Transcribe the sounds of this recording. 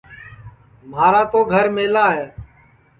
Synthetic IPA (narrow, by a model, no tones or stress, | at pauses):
maːɾaːt̪oːɡʱəɾmeːlaːɦeː